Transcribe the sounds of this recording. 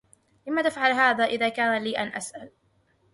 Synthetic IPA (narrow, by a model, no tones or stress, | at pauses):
lɪmːat̪afʕalɦaːðaːʔɪðaːkaːnaliːʔanʔasʔal